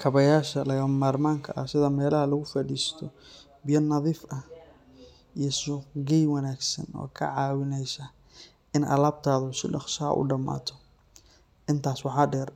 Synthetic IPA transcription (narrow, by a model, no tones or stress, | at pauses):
kʰɐβɐjaːʃɐlɐɣɐmaːrmaːŋkʰɐʔɐsɪðɐmɛːlɐɦɐlɐɣʊfɐɖiːst̪ʰɔ | bɪjɔnɐðiːfɐ | ijɞsʊqɡɛjwɐnaːɡsɐ̰nɔ̰ːkʰɐ̰ʕɑːwɪnɛjsɐ | ɪnʔɐ̰laːb̚t̪ʰaːðʊsɪ̰ɖɑqʃɐɐ̰ʔʊ̰ɖɐma̰ːt̪ʰɔ | ʔɪnt̪ʰaːswɑħɑːɖɛːr